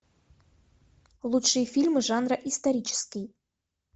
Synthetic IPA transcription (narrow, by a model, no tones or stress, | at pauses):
lˠut̪ʂɨjfʲilʲmɨʐɑnrəʔist̪ɐɾʲit͡ɕɪ̥skʲij